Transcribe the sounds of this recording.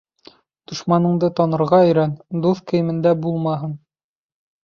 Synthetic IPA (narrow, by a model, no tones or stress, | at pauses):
d̪̥ŏʃmɑnɤ̆ɴd̪ɤt̪ɑnɤ̆ɾʁɑɵ̆jɾænd̪uθkɘ̆jɘ̆mɘ̆nd̪æbulˠmɑɦɤn